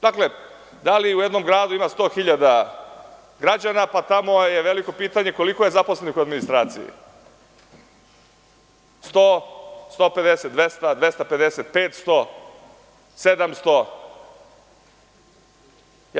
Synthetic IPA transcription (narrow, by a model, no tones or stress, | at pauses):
d̪akle̞ | d̪aliujed̪no̞mɡɾaːd̪uimast̪o̞ːxiʎad̪a | ɡɾad͡ʑanapat̪amo̞jeʋe̞liko̞piːt̪aɲe̞ko̞likoje̞zaposlenikuad̪minist̪ɾaːt̪sḭjḭ | st̪ost̪o̞ːpe̞d̪eset̪̚d̪ʋest̪ad̪ʋe̞st̪ape̞d̪eset̪̚peːt̪st̪o | sed̪amst̪o